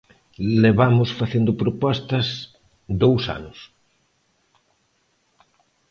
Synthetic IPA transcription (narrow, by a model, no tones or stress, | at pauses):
leβamʊsfaθend̪opɾopɔst̪ɐs | d̪owsa̰nʊs